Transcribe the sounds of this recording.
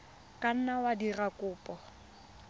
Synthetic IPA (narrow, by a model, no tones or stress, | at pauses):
kʼan̩nawadirakʼʊːpʼɔ